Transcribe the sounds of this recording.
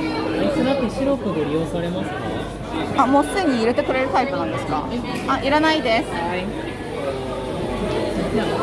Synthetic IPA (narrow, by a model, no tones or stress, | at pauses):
sɨɾak̪ːeɕiɾokoɡ̪oɾʲijo̞ːsaɾe̞masɨ̥ka | amo̞ːsɨd̪eɲ̟iːɾet̪e̞kɯ̟ɾe̞ɾɯ̟t̪aipɯ̟nãnd̪e̞sɨ̥ka̰ | aʔiɾanaid̪e̞sɨ̥ai | a